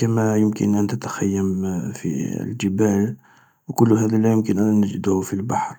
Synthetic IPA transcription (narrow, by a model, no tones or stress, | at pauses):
kəmæjəmkə̰nʔænt̪ət̪xæjːəmfḭld͡ʒəbæl | wkʊlːɦæd̪ælæjəmkənʔænːəd͡ʒd̪ʊhfilbɑħɾˤ